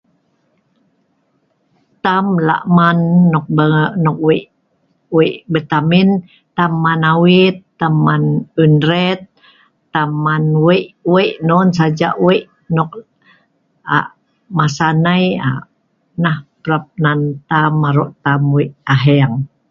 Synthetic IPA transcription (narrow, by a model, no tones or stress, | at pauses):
t̪amla̰ʔmanːɔk̚nɔk̚wiʔ | wiʔbət̪amin | t̪amːanawit̪ːamːanunɾɛt̪̚ː | amːanwɛʔweʔnɔnsad͡ʒaʔwiʔ | nɔk̚ | a̰ʔ | masanaja̰ | nahpɾap̚nant̪amːaɾɔʔt̪amwiʔaɦeaŋ